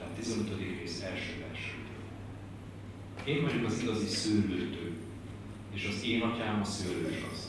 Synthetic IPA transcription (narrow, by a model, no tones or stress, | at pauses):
aːt̪ːizɛnøt̪od̪ikreːsɛlʃøːvɛ̰rʃøːt̪ɛ | eːɱvɒɟokɒziɡɒzisyːlːøːt̪øː | eːʃɒzeːnɒcaːmɒsøːløːʃɒ̰z